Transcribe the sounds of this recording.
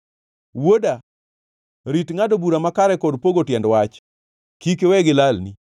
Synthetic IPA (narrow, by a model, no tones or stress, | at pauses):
woda | ɾitŋadobuɾamakaɾɛkɔdpoɡotjɛndwat͡ʃ | kikewɛɡɪlalni